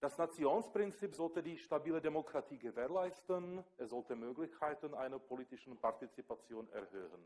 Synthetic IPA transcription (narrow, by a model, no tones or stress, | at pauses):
d̥asnat͡sjoːnspʁ̥ɪnt͡siːpzɔltədiːʃtabiːlədemokʁ̥atʰiːɡəveːlaɪstənʔɛsz̥ɔltəmøːɡlɪçkʰaɪtnʔa̰ɪnɐpʰoliːtɪʃn̩paʁtit͡sipat͡sjoːnɛ̰ɐhøːhən